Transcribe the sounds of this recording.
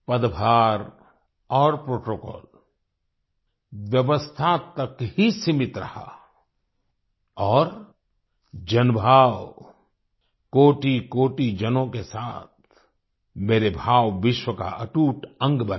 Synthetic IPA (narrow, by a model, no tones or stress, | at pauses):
pəd̪bʱaːɾ | ɔːɾpɾoːʈoːkɔ̰ːl | ʋjəʋəst̪ʰat̪ɐkhisɪmɪt̪ɾɐ̰ha̰ | ɔːɾ | d͡ʒɐnbʱaːʋ | koːʈikoːʈid͡ʒɐnõkesaːt̪̚ʰ | meːɾebʱaːʋʋɪʃwəka̰ʔɐʈuːʈə̃ŋɡbən